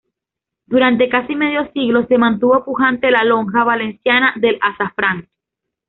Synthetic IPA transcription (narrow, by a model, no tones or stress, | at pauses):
d̪uɾant̪e̞kasime̞ðjo̞siɣlo̞se̞mãnt̪uβo̞puxant̪e̞lalo̞ŋxaβale̞nsjanaðe̞lʔasafɾaŋ